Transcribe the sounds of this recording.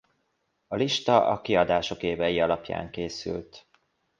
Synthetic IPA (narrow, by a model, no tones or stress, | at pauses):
ɒliʃt̪ɒʔɒkiɒd̪aːʃo̞keːvɛjiɒlɒpja̰ːŋkeːsy̰lt̪